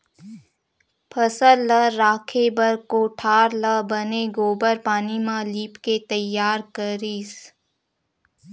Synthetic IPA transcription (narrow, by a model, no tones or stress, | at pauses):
pʰəsəlːəːaːkʰebəɾkoːʈʰaːɾləbəneɡoːbəɾpaːnimãliːpket̪əjːaːɾkəɾis